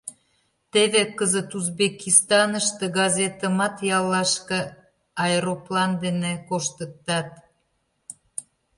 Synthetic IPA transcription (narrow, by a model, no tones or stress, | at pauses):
t̪eβekəzət̪uzbekist̪ɑnəʃt̪eɡɑzʲet̪əmɑt̪jɑlːɑʃkĕ | ɑeɾoplɑnd̪enekoʃt̪ət̪ːɑt̪̚